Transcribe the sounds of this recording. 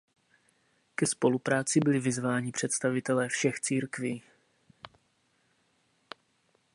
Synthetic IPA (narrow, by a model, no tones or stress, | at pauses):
kɛspo̞lupɾaːt͡sɪbɪlɪvɪzvaːɲɪpr̝̥ɛt̪st̪avɪt̪ɛlɛːfʃɛxt͡siːɾkviː